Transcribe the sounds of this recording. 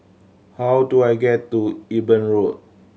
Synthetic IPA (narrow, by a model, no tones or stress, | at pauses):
hawduajɡɛtːuibə̃nɹot̚